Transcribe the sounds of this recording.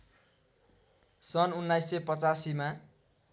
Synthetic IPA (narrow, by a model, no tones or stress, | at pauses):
sʌnunːajsːʌjpʌt͡sasima